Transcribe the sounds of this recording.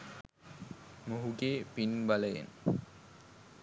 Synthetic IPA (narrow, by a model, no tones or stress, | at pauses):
moɦuɡeːpinbaləjḛn